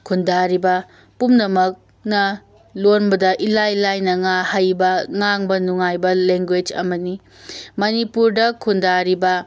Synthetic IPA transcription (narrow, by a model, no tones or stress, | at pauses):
kʰundaɾibɐ | pumnɐmɐk̚ | nɐ | lonbɐdɐʔilajlajnɐŋahajbɐŋaŋbɐnuŋajbɐleŋɡwed͡ʒɐ̰mɐni | mɐnipuɾdɐkʰundaɾibɐ